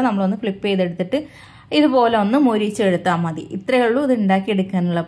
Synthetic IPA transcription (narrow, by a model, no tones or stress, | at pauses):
nɐmːɐɭo̞nːɨfɭipːejðe̞ɽut̪ːiʈːɨ | iðupo̞ːleo̞nːɨmoːɾit͡ɕːe̞ɽut̪ːaːmːɐðḭʔit̪rɐjɐɭːuɐðɳɖaːkːie̞ɽukːaːnuɭːɐp